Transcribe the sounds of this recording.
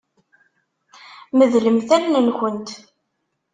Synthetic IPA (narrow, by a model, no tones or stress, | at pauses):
məðləmθælnənçənt̪